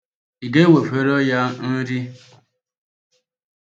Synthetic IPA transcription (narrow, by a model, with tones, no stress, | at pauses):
i˨ɡe˦we˨fe˨ɾo˦ja˦n̩˦ɾi˦